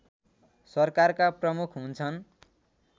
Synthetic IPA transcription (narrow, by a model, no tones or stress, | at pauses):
sʌrkarkaprʌmukʰɦunt͡sʰʌn